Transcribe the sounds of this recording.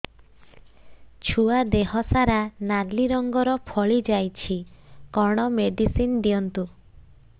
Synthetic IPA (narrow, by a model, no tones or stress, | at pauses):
t͡ʃʰuad̪eɦɔsaɾanaɾliɾɔŋɡɔɾɔpʰɔɭid͡ʒajt͡ʃʰikɔɾɽ̃ɔmeɖisind̪iɔnt̪u